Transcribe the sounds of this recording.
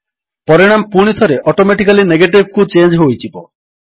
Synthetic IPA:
pɔɾiɽ̃ampuɽ̃it̪ʰɔɾeʔɔʈomeʈikalineɡeʈib̚ʱkut͡ʃend͡ʒɦojtʰibɔ

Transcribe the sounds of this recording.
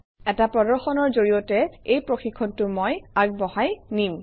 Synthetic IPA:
ɛtapɹɔdɔɹxɔnɔɹzoɹijɔtɛejpɹoxikʰːɔntʊmojaɡ̚bɔɦajnim

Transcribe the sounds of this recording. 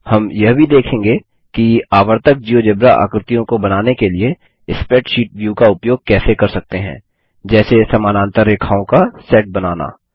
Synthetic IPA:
hɐmjɐɦbʱid̪eːkʰẽːŋɡe | kiaːʋəɾt̪ək̚d͡ʒiːod͡ʒebɾaʔə̰ːkɾɪt̪ijõkobɐnaːnekelie | ɪspɛːʈʃiːʈʋjuːkaʊpjoːɡ̚kɛːsekɐɾsɐk̚t̪eɦɛ̰̃ː | d͡ʒɛːsesɐmaːnãːnt̪əɾekʰaːõkasɛːʈ̚bɐnaːna̰ː

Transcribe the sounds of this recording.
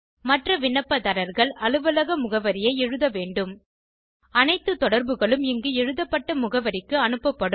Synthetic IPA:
mɐʈrɐʋɪnːɐpːɐðɐɾɐɾɣɐɭɐlɯʋɐlɐɣɐmʊɣɐʋɐɾɪjɐɪɛɻɯðɐʋeːɳɖɯm | ɐnɐɪt̪ːɯt̪ɔɽɐɾbɯɣɐɭɯmɪŋɡɯɛɻɯðɐpːɐʈːɐmʊɣɐʋɐɾɪkːɯɐnɯpːɐpːɐɽɯm

